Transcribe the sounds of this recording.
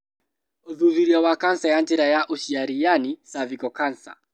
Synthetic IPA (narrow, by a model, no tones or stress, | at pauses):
uðuðiɾiawakansajantɛɾajaʔuʃiaɾijanisavikɔkansa̰